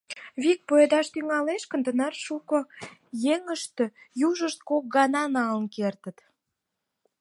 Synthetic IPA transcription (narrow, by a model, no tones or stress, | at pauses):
βik̚poed̪ɑʃt̪yŋɑleʃkənd̪ənɑrʃukojeŋəʃt̪ø̆juʒəʃt̪̚kok̚ɡɑnɑnɑlənkert̪ə̆t̪